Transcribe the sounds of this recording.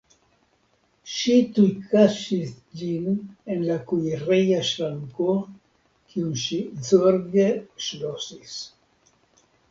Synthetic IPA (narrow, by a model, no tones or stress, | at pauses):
ʃit̪ujkaʃis | d͡ʒinenlakujrejaʃɾaŋko | kʰiunʃizoɾɡeʃlosis